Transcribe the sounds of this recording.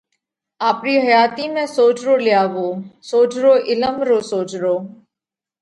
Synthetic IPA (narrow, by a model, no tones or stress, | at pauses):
aːpɾiːɦəjaːt̪iːmɛ̃ːsoːt͡ʃɾoːlɪjaːʋoːsoːt͡ʃɾoːʔɪləmɾoːsoːt͡ʃɾoː